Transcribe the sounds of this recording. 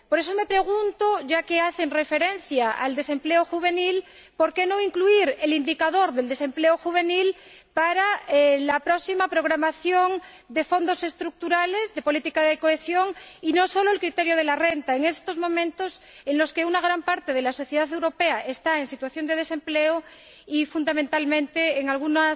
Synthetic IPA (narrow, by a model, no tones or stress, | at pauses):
po̞ɾe̞s̬o̞me̞pɾe̞ɣ̞unt̪oʝakeaθe̞nre̞fe̞ɾe̞nθjaa̰ld̪e̞se̞mple̞oxuβ̞e̞nil | po̞ɾke̞no̞iŋkluiɾe̞lind̪ikaðo̞ɾðeld̪e̞se̞mpleoxuβ̞e̞nil | paɾaelapɾosimapɾo̞ɣ̞ɾamaθjo̞ŋ | d̪e̞fo̞nd̪o̞se̞st̪ɾuk̚t̪uɾale̞zðe̞po̞lit̪ikaðekoesjo̞ŋino̞so̞loelkɾit̪eɾjoð̞elarent̪aeŋe̞st̪o̞zmõ̞mẽnt̪ose̞nlo̞skeunaɣ̞ɾampaɾt̪eð̞elasoθjeðaðe̞wɾo̞peaʔest̪aensit̪waθjo̞nd̪e̞ð̞e̞se̞mpleo | ifund̪amẽnt̪almẽnt̪eːŋalɣ̞una